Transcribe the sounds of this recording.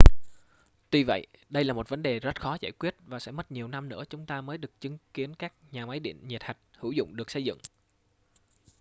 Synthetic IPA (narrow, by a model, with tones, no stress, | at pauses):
t̪wi˧və̰˧˨jɗə˧jlaː˨˩mo˨˩t̚və˨˦nɗe˨˩zə˦˥t̚xɔ˨˦zaː˧˩jkwi˦˥ət̚vaː˨˩sɛ̰˧˥mə˦˥t̚ɲi˨˩əwna˧mnɨ̰˧˥ət͡ɕʊ˨˦ŋ͡mt̪aː˧məː˨˦jɗɨ˨˩ək̚t͡ɕɨ˨˦ŋki˨˦ənkaː˦˥k̚ɲaː˨˩ma˨˦jɗḭ˧˨nɲi˨˩t̚ha˨˩jk̟̚hɨ̰˧˩wzʊ̰˧˨wŋ͡mɗɨ˨˩ək̚sə˧jzɨ̰˧˨ŋ